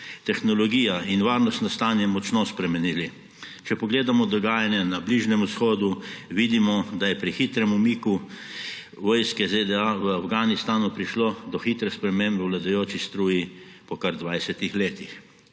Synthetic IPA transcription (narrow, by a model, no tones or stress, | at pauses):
t̪ɛxnɔlɔɡiːjainʋaːɾnɔst̪nɔst̪anjɛmɔt͡ʃnɔspɾɛmɛnili | t͡ʃɛpɔɡleːd̪amɔd̪ɔɡaːjanjɛnabliːʒnɛmusxoːd̪uʋid̪imɔd̪ajɛpɾixit̪ɾɛmumiku | ʋɔːjskɛzed̪ɛaʋəawɡaːnist̪aːnupɾiʃlod̪ɔxiːt̪ɾɛspɾɛmeːmbɛwlad̪ajoːt͡ʃist̪ɾuːjipɔkaɾd̪ʋajsɛt̪ixleːt̪ix